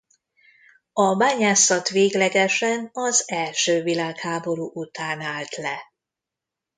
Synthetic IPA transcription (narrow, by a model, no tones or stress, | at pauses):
ɒbaːɲaːsɒt̪ʋeːɡlɛɡɛʃɛnɒzɛlʃøːvilaːkhaːbo̞ɾuːʔut̪aːnaːlt̪lɛ